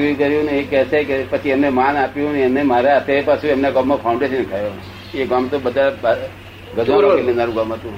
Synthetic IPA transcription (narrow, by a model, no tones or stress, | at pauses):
ikəɾjũneekɛsekepət͡ʃʰiɛmnemanapjũneɛmnemaɾat̪ʰeepasũemneɡamːapʰauɳɖeʃənkʰajone | eɡamt̪obəd̪ʱab | ɡəd͡ʒʱaɾkemenaɾũɡamɦət̪ũ